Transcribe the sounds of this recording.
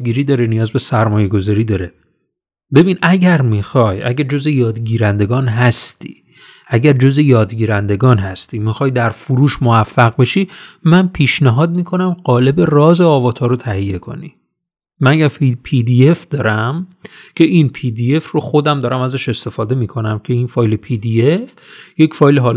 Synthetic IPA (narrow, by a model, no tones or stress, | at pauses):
ɡiːɾiːd̪ɒːɾenijɒːzbe̞sæɾmɒːje̞ɡo̞zɒːɾiːd̪ɒːɾe | be̞biːnʔæɟæɾmixɒjæ̰ɟæɾd͡ʒo̞zejɒːd̪ɟiːɾænd̪eɡɒːnɦæst̪ḭː | ʔæɟæɾd͡ʒo̞zejɒːd̪ɡiːɾænd̪e̞ɡɒːnɦæst̪imixɒːjd̪æɾfuɾuːʃmovæfːæɣbe̞ʃimænpʰiːʃnæɦɒːd̪̚miːkʰo̞næmɢɒːle̞be̞rɒːzeɒːvɒːt̪ʰɒːɾot̪ʰæhijːe̞kʰo̞̰ni | mænjæfipʰid̪ie̞fd̪ɒːɾæmcʰe̞ʔinpʰid̪ie̞fro̞xo̞d̪æmd̪ɒːɾæmæzæʃe̞st̪e̞fɒːd̪e̞miːkʰo̞næmcʰe̞infɒːjle̞pʰid̪ief | je̞cfɒːjleɦɒːl